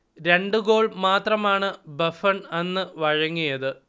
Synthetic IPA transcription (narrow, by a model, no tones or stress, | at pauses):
ɾe̞ɳɖɨɡo̞ːɭmaːt̪rɐmaːɳɨbɐfɐɳenːɨʋɐɻɐŋːijɐðɨ